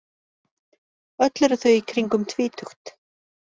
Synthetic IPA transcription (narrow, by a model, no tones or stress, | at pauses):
œt̪lɛɾʏθœɥikʰɾiŋkʏmt̪ʰvɪːt̪ʰuxt̪